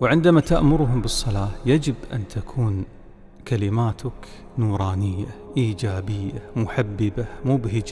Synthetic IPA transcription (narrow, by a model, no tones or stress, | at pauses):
wʕɪnd̪amat̪aʔmʊɾɦʊmbɨsˤːɑlɑːjad͡ʒɪbʔa̰nt̪ʰakʰuːn | kalɪmaːt̪ʰʊk | nuːɾˤɑːnɪjːaʔiːd͡ʒaːbɪjːamʊħabːɪbamuːbɦɪd͡ʒ